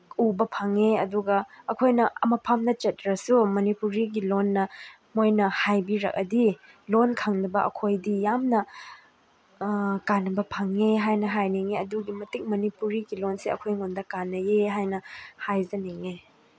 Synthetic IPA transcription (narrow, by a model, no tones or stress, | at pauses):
ubɐpʰaŋeɐduɡɐːkʰojnɐɐmɐpʰamnɐt͡ʃɐt̚ɾɐsumɐnipuɾiɡilonːɐ | mojnɐhajbiɾɐ̰k̚ɐdi | lonkʰaŋnɐbɐʔɐ̰kʰojdijamnɐ | kanɐbɐpʰaŋeɦajnɐɦajniŋeɐduɡimɐtik̚mɐnipuɾiɡilonseɐ̰kʰojŋundɐkanːɐjeɦajnɐhajzɐniŋe